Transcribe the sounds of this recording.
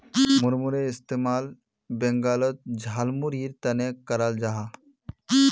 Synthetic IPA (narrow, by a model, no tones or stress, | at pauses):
muɾmuɾeɪst̪emaːl | beŋɡaːlɔt̪̚d͡ʒʱalmuɾiɾt̪ɐnekəɾald͡ʒaɦa